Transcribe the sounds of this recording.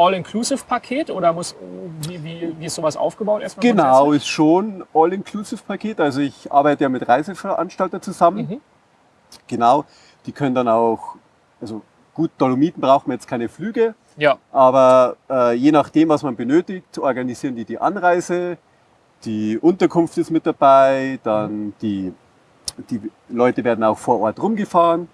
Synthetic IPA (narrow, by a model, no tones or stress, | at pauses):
ʔɔlɪnkʰluːsɪfpʰakʰeːtʔoːɾɐmʊsviːviːviːɪstz̥oːvasʔa̰ʊfɡ̥əbaʊtʔɛɐsmɡ̥ənaʊɪsʃoːnʔɔlɪnkʰluːsɪfpʰakʰeːtʔalzoɪçʔa̰ɐbaɪtəjaːmɪtʁaɪzəfɛɐʔa̰nʃtaltɐt͡suzamən | ɡ̥ənaʊ | d̥iːkʰœnəndanaʊx | ʔalzo | ɡ̥uːt̚d̥olomiːtn̩bʁaʊxtmanjɛt͡stkʰaɪnəflyːɡə | ʔaːbɐʔɛːjeːnaχd̥eːmvasmanbənøːtɪçtʰʔɔɐɡaniziːəndiːdiːʔa̰nʁaɪzə | d̥iːʔʊntɐkʰʊnftɪstmɪt̚d̥abaɪd̥and̥iː | d̥iː | lɔʏtəveːɐdn̩aʊxfoːɐʔɔɐtʁʊmɡəfaːʁən